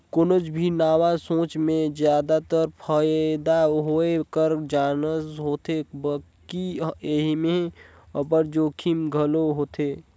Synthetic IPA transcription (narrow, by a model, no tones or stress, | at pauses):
kʊnəd͡ʒbʱinaːwasõːt͡ʃmẽzjaːd̪at̪əɾpʰəd̪aɦoekəɾd͡ʒaːnəzɦoːt̪ebəkieɦmẽ | əbəɾd͡ʒoːkʰimɡʱəloɦoːt̪eː